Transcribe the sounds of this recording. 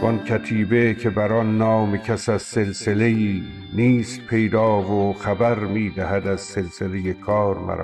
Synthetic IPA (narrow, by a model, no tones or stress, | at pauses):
bɒnkʰæt̪ʰiːbecʰe̞bæɾɒnːɒːmecʰæsæzse̞lsele̞iː | niːst̪̚pʰe̞jd̪ɒːvoxæbæɾmiːd̪æhæd̪æzse̞lselejekʰɒːɾmæ̰ɾ̰